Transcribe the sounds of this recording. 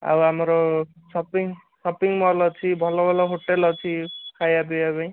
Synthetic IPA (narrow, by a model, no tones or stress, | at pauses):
a̰wɦamɾo | sʌpiŋ | sʌpiŋmʌrlʌt͡sʰibʱʌlobʱʌloɦoʈelʌt͡sʰikʰajabijabʌj̃